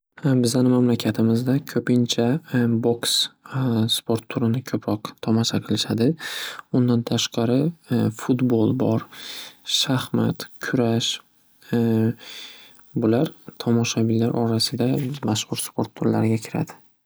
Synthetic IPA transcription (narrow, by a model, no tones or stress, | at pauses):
bɪzanɪmamlakʲʰat̪ʰɪmɪzd̪akʲʰɵpɪnt͡ʃʰaboksspʰo̞ɾt̪ːʰʊɾɪnɪkʲʰɵpʰɾɒqt̪ʰɒmaʃaqʰɨlɪʃad̪ɪʊnd̪ant̪ʰaʃqɑɾɪfut̪bolˠbɒɾ | ʃahma̰t̪kʲʰʊɾaʃ | bʊlaɾt̪ʰɒmɒʃabɪlːaɾʔɒ̰ɾasɪd̪amaʃχʊɾspʰo̞ɾt̪ːʰʊɾla̰ɾɡʲakʲʰɪɾa̰d̪ɪ